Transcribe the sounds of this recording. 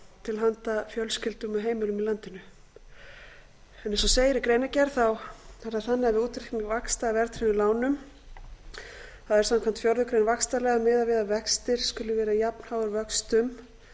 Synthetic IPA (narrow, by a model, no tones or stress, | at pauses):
t̪ʰɪlɦant̪afjœlscɪlt̪ʏmaɦeːjmɪlʏmilant̪ɪnʏ | ɛnɛsɔseːjɪɾɪkɾeːjnacɛɾ̥θawθɛɾaθanːɪavɪuːt̪ɾik̪nɪvakst̪avɛɾt̪ɾɪnɪlaːwnʏm | θaðɛɾ̥samkʰam̥t̪fjɔɾðʏkɾejnvakst̪alɛːɣamɪːðavɪːðavɛkst̪ɪɾ̥skʏlʏvɛːɾajapn̥hawʏɾvœkst̪ʏm